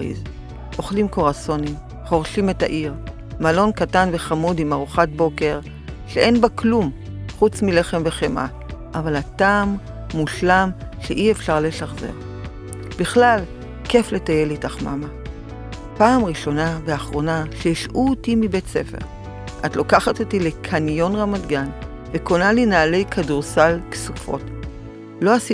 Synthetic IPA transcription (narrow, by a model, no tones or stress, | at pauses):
ḭz | ʔo̞χlimko̞ʁaso̞nim | χo̞ʁʃime̞ta̰ʔiʁ | malo̞nkatanveχamudimaʁuχat̚bo̞ke̞ʁ | ʃeʔe̞nbaklumχut͡smile̞χe̞mve̞χemʔa̰ | ʔavalataːmː | uʃlamʃeʔiefʃaʁleʃaχze̞̰ʁ | b̥iχlal | ke̞fle̞taje̞litaχma̰ma | paːmʁiʃo̞nabeaχʁo̞naʃeiʃʔuotimibe̞tse̞̰fe̞̰ʁ | ʔatlo̞kaχatotilekʰanjo̞nʁamadɡan | veko̞nalinaːle̞jkʰaduʁsalksufo̞̰t | lo̞asi